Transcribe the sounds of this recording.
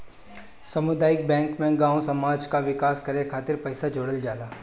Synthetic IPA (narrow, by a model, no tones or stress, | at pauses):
sɐmʊd̪aːɪk̚bɛ̃ːŋkmẽɡãːõsɐmaːd͡ʒkaʋɪkaːskɐɾekʰaːt̪ɪɾpɐɪsad͡ʒoːɽəld͡ʒaːlaː